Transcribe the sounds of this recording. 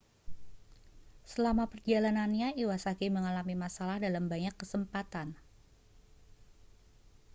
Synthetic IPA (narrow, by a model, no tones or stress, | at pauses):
səlamapərd͡ʒalananɲaiwasakiməŋalamimasalahdalambaɲakːəsəmpat̪an